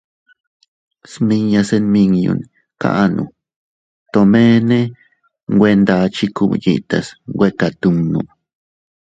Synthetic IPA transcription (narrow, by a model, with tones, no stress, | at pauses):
smi˧ŋja˧se˦nmi˧ŋjṵ˧n | ka̰˦ʔnʔṵ˨ | t̪o˧me˦ne˦ | ŋɡʷwe˦nd̪a˧t͡ʃi˦ku˦bjḭ˧t̪a˨sŋɡwʷe˦ka˧t̪u˧ŋnu˨